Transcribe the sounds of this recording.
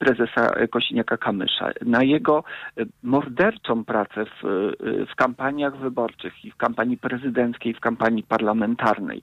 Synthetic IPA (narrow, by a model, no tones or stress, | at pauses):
pɾɛzɛsa̰kɔɕiɲʲakakamɘ̰ʂa̰najɛɡɔmɔɾd̪ɛɾt͡ʂɔ̃w̃pɾat̪sɛffkampaɲjaɣvɘbɔɾt͡ʂɘxifkampaɲipɾɛzɘd̪ɛnt̪skʲejfkampaɲipaɾlamɛnt̪aɾnɛ̰j